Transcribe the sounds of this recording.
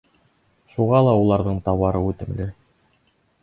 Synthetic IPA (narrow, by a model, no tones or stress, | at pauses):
ʃuʁɑlˠɑulˠɑɾðɤɴt̪ɑwɑɾɤʉt̪ɘ̆mlɘ